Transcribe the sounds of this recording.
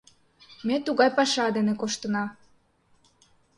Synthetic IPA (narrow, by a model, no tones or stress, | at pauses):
met̪uɣɑjpɑʃɑd̪enekoʃt̪ənɑ